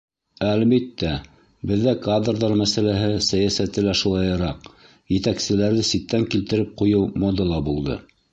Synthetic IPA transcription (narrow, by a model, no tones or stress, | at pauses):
ælβit̪ːæ | bɘ̆ðːækad̪rd̪rmæsælæɦɘsæjæsæt̪ɘlæʃulˠɑjɤ̆ɾɑq | jɘ̆t̪æksɘ̆læɾðɘsit̪ːæŋkilt̪ɘ̆ɾɘp̚qujɤwmod̪ɤlˠɑbulˠd̪ɤ̰